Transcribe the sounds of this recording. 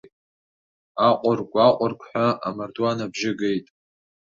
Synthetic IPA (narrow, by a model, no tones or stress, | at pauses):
aqʷʼʊrkʷʼaqʷʼʊrkʷʰʼħʷᶣaa̰mardwanabʒɪɡejtʼ